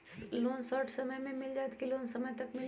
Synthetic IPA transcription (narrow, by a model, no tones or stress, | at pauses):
loːnsɔːɾʈʰsɐməjmẽmɪld͡ʒaːt̪kiloːnsɐməjt̪ɐkmɪl